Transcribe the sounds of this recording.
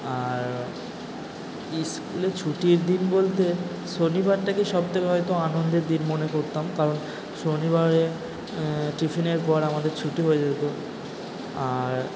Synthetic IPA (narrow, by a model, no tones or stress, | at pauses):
aɾ | iskulet͡ɕʰuʈiɾd̪inbolt̪e | ʃonibaɾʈakeʃɔb̚t̪ʰekeɦɔjt̪oanond̪eɾd̪inmonekoɾt̪amkaɾon | ʃonibaɾe | ʈifineɾpɔɾamad̪eɾt͡ɕʰuʈiɦoed͡ʑat̪o | aɾ